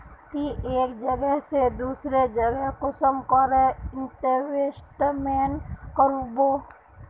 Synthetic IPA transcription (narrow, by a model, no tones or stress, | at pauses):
kiʔeːkd͡ʒəɡəɦsed̪uːsɾed͡ʒəɡəɦkosəmkəɾɛɪnʈeʋesʈmeːnkəɾuboː